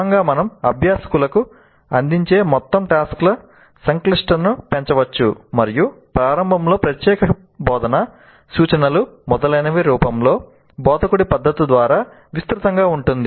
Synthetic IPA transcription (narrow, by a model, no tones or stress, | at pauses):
ŋɡaːmɐnɐmɐbʱjaːsɐ̥kulɐku | ɐnd̪iɲt͡ʃe̞ːmɔt̪ːɐmʈaːsklɐ | sɐŋkliʂʈɐnupeɲt͡ʃɐʋɐt͡ʃːumɐɾijupɾaːɾɐmbʱɐmlo̞ːpɾɐt̪jɛːkɐ | bɔːd̪ɐnɐ | suːt͡ʃɐnɐlumɔd̪ɐlɐjnɐʋiɾuːpɐmlo̞ː | bɔːd̪ʱɐkuɽipɐd̪ːɐt̪id̪ʋaːɾaː | ʋist̪ɾut̪ɐŋɡaːuɳʈund̪i